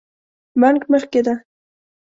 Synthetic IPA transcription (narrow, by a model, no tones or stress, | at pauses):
maŋkməχked̪a